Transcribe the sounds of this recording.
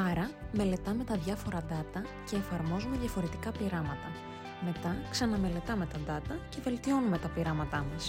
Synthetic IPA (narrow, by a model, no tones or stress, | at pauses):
ɐɾɐme̞le̞t̪ɐme̞t̪ɐðʝɐfo̞ɾɐðɐt̪ɐ | ce̞ːfɐɾmo̞zume̞ðjʝɐfo̞ɾe̞t̪i̥kɐpiɾɐmɐt̪ɐ | me̞t̪ɐksɐnɐme̞le̞t̪ɐme̞t̪ɐðɐt̪ɐce̞ve̞lt̪io̞nume̞t̪ɐpiɾɐmɐt̪ɐmɐs